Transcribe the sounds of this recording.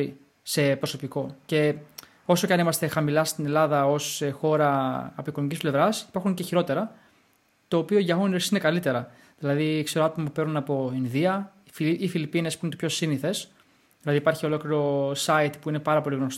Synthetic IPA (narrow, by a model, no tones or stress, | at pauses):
i | se̞pɾoso̞piko̞ce̞ | o̞so̞cɐnimɐst̪e̞xɐmilɐst̪ine̞lɐðɐo̞sexo̞ɾɐːpoikonomicisple̞vɾɐsi̥pɐɾxuŋce̞çiɾo̞t̪e̞ɾɐ | t̪o̞ːpioiʝɐɣoneɾsine̞kɐlit̪e̞ɾɐ | ðilɐðikse̞ɾoɐt̪o̞mɐpupe̞ɾnunɐpo̞inðiɐ | fiifilipine̞spuinet̪pço̞siniθe̞s | ðilɐðipɐɾçio̞lo̞kliɾo̞sɐit̪puine̞pɐɾɐpo̞liɣno̞st